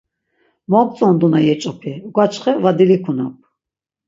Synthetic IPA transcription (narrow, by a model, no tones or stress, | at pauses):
mɔkt͡sʼɔnd̪unajɛt͡ʃʼɔpʰiɡwat͡ʃχɛvad̪ilikʰuna̰p̚ʰ